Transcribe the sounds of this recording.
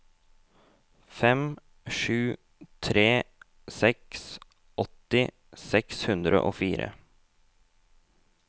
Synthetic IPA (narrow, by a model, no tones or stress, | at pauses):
fɛm | ʃʉː | t̪ʰɾeː | sɛks | ɔt̪ɪ | sɛkshʉnd̪ɾʔə̰ʔoːfiːɾə̰